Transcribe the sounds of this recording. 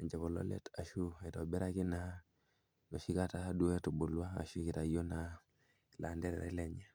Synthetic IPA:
ɲd͡ʒa˨βo˨lo̰˦lḛ˦ta˨ʃu˦e˨to˨bɛ˦ɾa˦ki˦na˦ | no˨ʃi˦ka˦ta˦du˦e˦tu˨bu˨lwa̰ː˦˨ʃu˦ki˨ta˨jo˦na | la˨nde˦ɾɛ̰ɾa̰˦le˨ɲa˦

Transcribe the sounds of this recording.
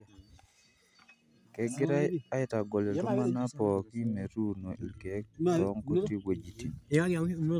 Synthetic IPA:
kɛ˨ɡɪ˦ɾa˦a˦ɛ˦ta˨ɡɔ˨le˨tɔ˦ma˦na˦pɔ˨ki˦me˨ɾu˦no˨ʔi˨lke˨˦k̚ɾɔ˦ŋko˨ti˦we˨d͡ʒi˨ti˨˦

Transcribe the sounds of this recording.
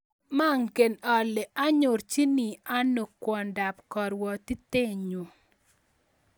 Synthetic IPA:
ma˦ŋke˨nɔ˨lɛ˨a˦ɲʊ˨ɾt͡ʃi˦ni˨a˦no˨kwɔ˨nda˨pkɔ˨ɾwɔ˨t̪i˦t̪e˦ɲo˨

